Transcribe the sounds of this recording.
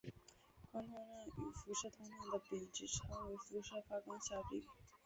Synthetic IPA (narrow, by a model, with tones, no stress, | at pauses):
kwa˥ŋma˥˧ɻa˥˩ny˨˩fu˧˥ʂɤ˥˩t̪ʰʊ˥ŋmja˥˩nd̪ə˩pi˨˩ŋʈ͡ʂɻ̩˥ʈ͡ʂʰɤ˥ŋwe˧˥ɪfu˧˥ʂɤ˥˧fa˥ka˥nɕja˥˩pḭ˨˩˦ŋ